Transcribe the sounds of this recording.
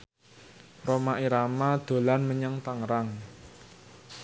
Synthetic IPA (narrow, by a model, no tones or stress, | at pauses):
romaʔiɾamad̪̥o̤lanməɲəŋt̪aŋɾaŋ